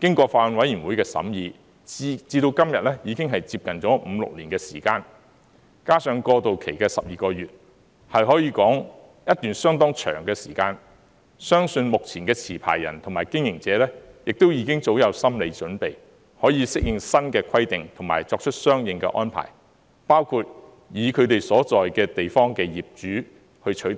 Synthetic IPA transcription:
kɪ˥ŋkʷɔː˧faː˧wɐ˨˧nwɐ˨˥ji˨˩nwu˨˥jkɛː˧sɐ̰˨˥mjiː˨˧ | t͡siː˧t̪o˧wkɐ˥mjɐ˨t̚lɛː˥jiː˨˧kɪ˥ŋɦɐ˨jt͡siː˧p̚kɐ˨nt͡sɔː˨˥m̩˨˧lʊ̰˨k̚liː˨˩nkɛː˧sḭː˨˩kaː˧n | kaː˥sœː˨˧ŋkɔː˧t̪o˨wkʰe˨˩jkɛː˧sɐ̰˨p̚jiː˨˩kɔː˧ɥyː˨t̚ | hɐ˨jɦɔː˨˥jiː˨˧kɔː˨˥ŋ | jɐ˥t̚t̪yː˨nsœː˥ŋt̪ɔː˥ŋt͡ʃʰœ̰ː˨˩ŋkɛː˧siː˨˩kaː˧n | sœː˥ŋsɵ˧nmʊ˨k̚t͡sʰiː˨˩nkɛː˧t͡sʰiː˨˩pʰa̰ː˨˩jːɐ̰˨˩nt̪ʰʊ˨˩ŋmaː˨˩jkɪ˥ŋjɪ˨˩ŋt͡sɛː˨˦lɛː˥jɪ˨k̚t̪o˥wjiː˧kɪ˥ŋt͡so˨˧˥wjɐ˨˧wsɐ˥mle˨˧jt͡ʃɵ˨˥npe˨j | hɔː˨˥jiː˧sɪ˥k̚jɪ˨ŋsɐ˥nkɛː˧kʰɐ˥jt̪ɪ˨ŋt̪ʰʊ˨˩ŋmaː˨˩jt͡sɔː˧k̚t͡ʃʰɵ˥t̚sœː˥ŋjɪ˨˧ŋkɛ̰ː˧ʔɔ̰ː˥npʰa̰ː˨˩j | paː˥wkʰuː˧t̚ | jiː˨˧kʰɵ˨˧t̪e˨jsɔː˨˥t͡sɔː˨jkɛː˧t̪e˨jfɔː˥ŋkɛː˧jiː˨p̚t͡ʃyː˨˥ | hɵ˧ɥt͡ʃʰɵ˨˥jt̪

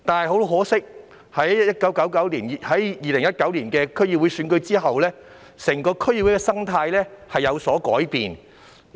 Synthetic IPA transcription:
t̪aː˨nhɐ˨jɦo˨˥lɦɔː˨˥sɪ˥k̚ | hɐ˨˥jjɐ˥t̚kɐ˨˥wkɐ˨˥wkɐ˨˥wliː˨˩n˨hɐ˨˥jjiː˨lɪ˨˩ŋjɐ˥t̚kɐ˨˥wliː˨˩nkɛː˧kʰɵ˥ɥjːi˨p̚wu˨˥jsyː˨˥nkɵ˧ɥt͡siː˥ɦɐ˨wlɛː˥ | sɛː˨˩ŋkɔː˧kʰɵ˥ɥjiː˧˨wu˨˥jkɛ˧sɐ˥ŋt̪ʰaː˧jlɛː˥hɐ˨jːɐ˨˧wsɔː˨˥kɔ̰ː˨˥jpḭː˨n

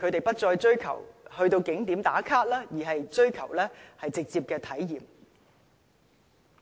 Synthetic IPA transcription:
kʰɵ˨˧ɥt̪e˨jpɐ˥t̚t͡ʃɔː˧jt͡ʃɵ˥ɥkʰɐ̰˨˩whɵ˧ɥt̪o˧wkɪ˨˥ŋt̪iː˨˥mt̪aː˨˥kʰaː˥t̚laː˥jiː˨˩ɦɐ˨jt͡ʃɵ˥ɥkʰɐ̰˨˩wlɛː˥hɐ˨jt͡sɪ˨k̚t͡siː˧p̚kɛː˧t̪ʰɐ˨˥jjiː˨˩m

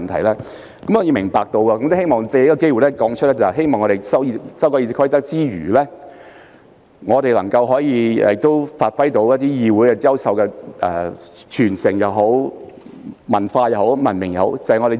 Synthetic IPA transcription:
nt̪ʰɐ˨˩jlɛː˥ | kɐ˨˥mhɔː˨˧˩i˧mɪ˨˩ŋpaː˨k̚t̪o˧wkɐː˧kɐ˨˦mt̪o˥he˥jmɔː˨ŋt͡sɛ˨˧˨kɔ˧ke˥jwu˨jlɛ˥kɔː˨˥ŋt͡ʃʰɵ˥lɛː˥t͡sɐ˨hɦe˥jmɔː˨ŋɔː˨˧e˨jsɐ˥wsɐ˥wkɔ˧˥ji˧t͡sɪ˨kɔ˥i˧t͡sɐ˥t͡siː˥ɥyː˨˩lɛː˥ | ŋɔː˨˧t̪e˨jlɐ˨˩ŋkɐ˧wɦɔː˨˥jiː˨˧˨t̪ːo˥wfaː˧t̚fɐ˥jt̪o˨˥wjɐ˥t̚t̪iː˥jiː˧wuː˨˥jkɛ˧jɐ˥wsɐ˨wkɛ˧ɛ̰ː˨t͡ʃʰyː˨˩nsɪ˨˩ŋjɐ˨wɦo˨˥w | mɐ̰˨˩nfaː˧jɐ˨˩wɦo˨˥wmɐ˨˩nmɪ˨˩ŋjɐ˨˩ho˨˥wt͡sɐ˨˧hɐ˨jŋɔ˨˧ɾe˨

